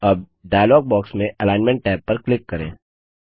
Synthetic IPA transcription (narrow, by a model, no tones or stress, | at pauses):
ɐb̚ | ɖaːjlɔːɡ̚bɔːksmẽʔɐlaːɪnmɛ̃ɳʈ̚ːɛːpːɐɾklɪkːɐɾḛ̃ː